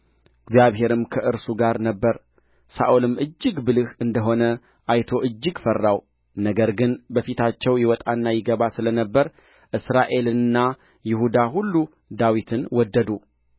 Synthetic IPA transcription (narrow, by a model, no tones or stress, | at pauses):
ɨɡzijaβɦe̞ɾɨmkʰəʔɨɾsuɡaɾnəbːəɾ | sa̰ʔolɨmɨd͡ʒːɨɡbɨlɨhɨnd̪əɦo̞nə | ʔajt̪ʰo̞ʔɨd͡ʒːɨɡfərːaw | nəɡəɾɡɨnbəfit̪ʰat͡ʃːɛwjɪwɔt̪ʼanːajɪɡəβasɨlənəbːəɾ | ʔɨsɾaʔe̞lɨɨnːa | jɪhud̪aɦulːu | d̪awit̪ʰɨnwɔd̪ːəd̪u